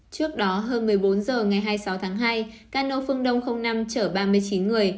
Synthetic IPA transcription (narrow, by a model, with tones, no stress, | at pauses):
t͡ɕɨ˦˥ək̚ɗɔ˨˦ɦəː˧nmɨ˨˩əjɓo˨˦nzəː˨˩ŋa˨˩jɦaː˧jsa˨˦wt̪ʰaː˨˦ŋɦaː˧j | kaː˧˩no˧fɨ˧əŋɗə˧wŋ͡mxə˧wŋ͡mna˧mt͡ɕəː˧˩ɓaː˧mɨ˧əjt͡ɕi˨˦nŋɨ˨˩əj